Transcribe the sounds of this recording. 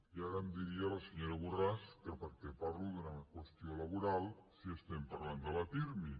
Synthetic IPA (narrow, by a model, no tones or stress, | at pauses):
jaɣamd̪iɾialaseɲoɾaβuraskeɾpəɾkepaɾluðunakwest̪jolaβuɾalˠsiest̪empaɾland̪əlat̪iɾmi